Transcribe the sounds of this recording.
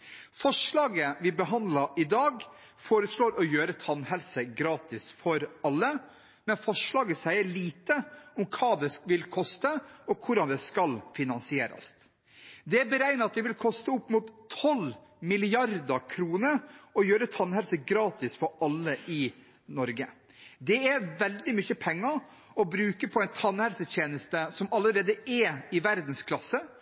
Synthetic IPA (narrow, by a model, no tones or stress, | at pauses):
fɔʂɭɑːɡəʋɪbəɦɑnd̪lɑʔɪd̪ɑːɡ | foːɾəsɭoːɾʔɔjøːɾət̪ʰɑnhɛlsəɡɾɑːt̪ɪsfɔɾɑlːə | mɛnfɔʂɭɑːɡəsæɪəɭiːt̪əɔmkʰɑːd̪ɛʋɪlkʰɔst̪əɔkʰʊɾɑnd̪ɛskɑlfɪnɑnsɪeːɾɑ̰st̪ | d̪ɛæɾbəɾæɪnəɾɑt̪̚d̪ɛʋɪlkʰɔst̪əʊpːmuːt̪ʰːɔlmɪlɪɑɾd̪ɑkʰɾuːnəɾɔjøːɾət̪ʰɑnhɛlsəɡɾɑːt̪ɪsfɔɾɑlːəʔɪ | nɔɾɡə | d̪ɛæʋɛld̪ɪmʏçəpʰɛŋːɑɾ | ɔbɾʉːkəpʰɔæɪnt̪ʰɑnːhɛlsət̪ʰjeːnəst̪əsɔmɑlːəɾeːd̪əɛɪʋæɾd̪n̩skʰlɑsːə